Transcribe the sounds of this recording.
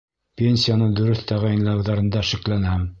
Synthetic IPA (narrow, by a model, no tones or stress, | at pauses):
pʲenʲsʲijanɤd̪ɵ̆ɾɵθt̪æʁæjnlˠɑwðɑɾɤ̆nd̪ɑʃɘ̆klænææm